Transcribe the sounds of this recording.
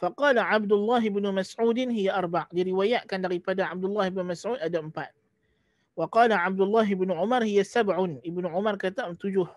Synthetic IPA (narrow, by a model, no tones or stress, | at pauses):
faqɑːlaʕab̚dʊlːaɦɪbnumasʕuːdɪnɦijaʔarˤbaʕdiɾiwajaʔkandaɾipadaʕab̚dʊlːahɪbnmasʕuːd̪adaəmpa̰t̪̚ | waqɑːlaʕab̚dʊlːaɦɪbnuʕʊmarˤhijasabʕʊnɪbnuʕʊmarkat̪aʔmt̪ud͡ʒʊh